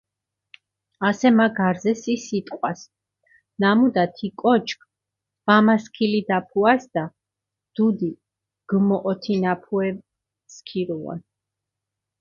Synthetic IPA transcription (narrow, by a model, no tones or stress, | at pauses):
asɛmaɡaɾzɛsisit̪ʼqʼwas | namud̪at̪ʰikʼɔt͡ʃʰkʰ | vamaskʰilid̪apʰuasd̪̥a | d̪̥ud̪i | ɡ̥mɔʔɔt̪ʰinapʰuɛv | skʰiɾuɔ̰n